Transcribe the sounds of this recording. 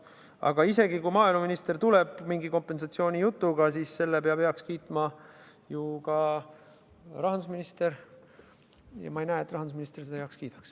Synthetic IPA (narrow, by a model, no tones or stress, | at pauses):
ɑ̰ɡ̥ɑise̞ɡikujmɑːilmɑminist̪ert̪uleb̥miŋɡiko̞mpːˑe̞nsɑt̪sio̞ːnʲijut̪ːˑuɡ̥ɑsiːsːe̞lːepeɑb̥eɑkskiːt̪ˑmɑ | jukɑ | ɾɑɦɑnd̪usminist̪eɾ | jɑ̰mɑejnæːet̪ːˑrɑɦɑnd̪usminist̪erse̥ɑjɑkskiːd̪̥ɑ̥ks